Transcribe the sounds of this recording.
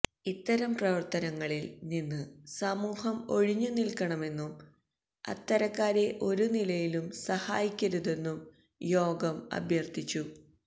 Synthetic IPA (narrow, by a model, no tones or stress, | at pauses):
it̪ːɐɾɐmprɐʋɐrt̪ɐnɐŋːɐɭilninːɨsɐmuːhɐmo̞ɻiɲːunilkɐɳɐme̞nːum | ɐ̰t̪ːɐɾɐkːaːɾe̞ʔo̞ɾunilɐjilumsɐha̰ːjikʲːɐɾuðe̞nːum | jo̞ːɡɐmɐ̰bʱjɐrt̪ʰit͡ɕːu